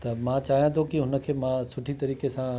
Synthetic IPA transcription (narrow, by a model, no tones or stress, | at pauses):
t̪ɐmãt͡ɕaːɦijãt̪ʰokiɦʊnə̆kʰeːmãsʊʈʰit̪ɐɾiːkesã